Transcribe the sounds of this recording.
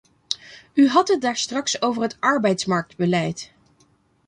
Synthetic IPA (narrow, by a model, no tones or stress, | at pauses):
yɦɑtɦət̚daːɹstrɑksowvəɹɦətɑɹbɛjtsmɑɹk̚dbəlɛjt